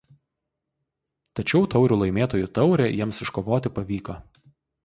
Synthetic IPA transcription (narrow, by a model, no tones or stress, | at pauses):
t̪ɐt͡ʃʲɛʊt̪ɒʊɾʲuːlˠɐɪmʲeːt̪oːjut̪ɒʊɾʲeːjiɛmsɪʃkoːʋoːt̪ʲɪpɐʋʲiːkɐ